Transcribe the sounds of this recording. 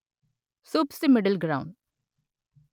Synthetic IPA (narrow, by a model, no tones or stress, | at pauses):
suːpsʈimɪɖəlɡɾaʊ̃ɳɖ